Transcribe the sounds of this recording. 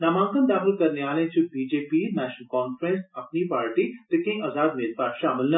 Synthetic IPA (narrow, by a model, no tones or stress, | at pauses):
naːmãːŋkənd̪aːxəlkɐɾneaːlẽt͡ʃʰubiːd͡ʒeːpiːmɛːʃənkɔːnfɾẽnsɐpnipaːɾʈit̪ɪkĩŋɐzaːd̪meːlpaːɾʃaːmɪlnɐ